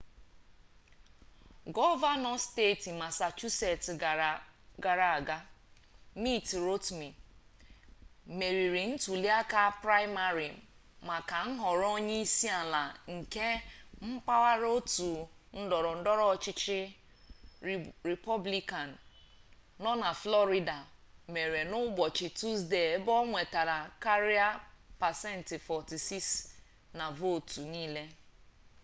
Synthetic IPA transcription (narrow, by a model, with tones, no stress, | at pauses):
ɡɔ˦va˦nɔ˦ste˦˨ti˨ma˨sa˨t͡ʃu˦se˨tɡa˨ɾa˨a˨ɡa˦ | mi˦tɾo˦tmi˨ | me˨ɾi˨ɾi˨n̩˦tu˨li˦a˦ka˦pɾa˦ɪ˦ma˨ɾi˨ | ma˨ka˨n̩˦ɦɔ˨ɾo˦ɲe˦i˦si˦a˨la˨ŋ̩˨ke˦m̩˦k͡pa˦wa˦ɾo˦tu˨ | n̩˦dɔ˨ɾɔ˨n̩˦dɔ˦ɾɔ˦˨t͡ʃɪ˦t͡ʃɪ˦ | ɾi˨pɔ˦bli˦ka˨n̩ː˨ | ɔ˦na˨flɔ˦ɾi˦da˨ | me˨ɾe˨nʊ˦ɡ͡bɔ˨t͡ʃɪ˨tu˦sde˨e˦bɔ˦ŋʷe˨ta˨ɾa˨ka˦ɾi˦a˦pa˨sɛ˦n̩˨tɪ˨fɔ˨ti˨si˦s | na˨vo˦˨tu˨niː˦le˦